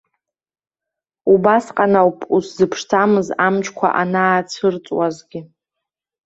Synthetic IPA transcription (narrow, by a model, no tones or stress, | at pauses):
ubasqʼanawpʰʼuszɨpʰʂt͡sʰamɨzamt͡ʃʰʼkʷʰa̰ʔanaːt͡sʰɨrt͡sʼwazɡʲɪ